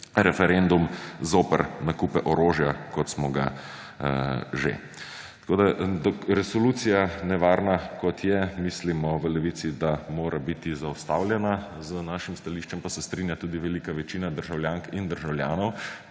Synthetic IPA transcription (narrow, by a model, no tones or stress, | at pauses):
ɾɛfɛɾend̪umzoːpəɾnakupɛʔɔɾoːʒjakɔt̪smɔɡa̰ | ʒḛ | t̪koːd̪ad̪ɔɾɛsɔluːt̪sijanɛʋaːɾnakɔt̪jɛmislimɔʋəlɛʋiːt̪sid̪amoːɾʔabit̪izaust̪awljɛna | zənaʃimst̪aliːʃt͡ʃɛmpasɛst̪ɾinjat̪uːd̪iʋɛlikaʋɛt͡ʃinad̪əɾʒawljaːŋkind̪əɾʒawljaːnɔw